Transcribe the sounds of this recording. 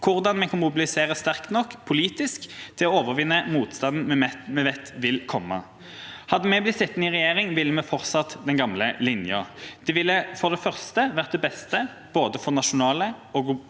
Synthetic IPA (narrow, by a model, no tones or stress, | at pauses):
kʰʊʁd̪ɑnmɛkʰɑnmʊbɪlɪseːʁəst̪æʁkt̪nɔkːpʰʊliːt̪ɪskt̪ʰɪlɔoːʋəʁʋɪnːəmuːt̪st̪ɑnd̪n̩mɛmɛʋɛt̪ːʋɪlkʰɔmːə̰ | hɑd̪əmɛblɪt̪sɪt̪ːn̩ɪʁɛjeːʁɪŋʋɪlːəmɛfɔʁt̪sɑt̪ːd̪ɛnɡɑmləlɪnjəd̪̥ɛʋɪlːəfɔʁd̪ɛfœʁst̪əʋæʁt̪̚d̪ɛbɛst̪ə | b̥oːd̪əfɔʁnɑʂʊnɑːləɔɡ